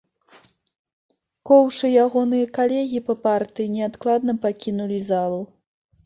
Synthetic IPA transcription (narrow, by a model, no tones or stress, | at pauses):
kɔwʂɨjaɣɔnɨjɐkalʲɛɣʲipɐpart̪ɨjinʲɛat̪klˠad̪̚nɐpakʲinulʲizalˠu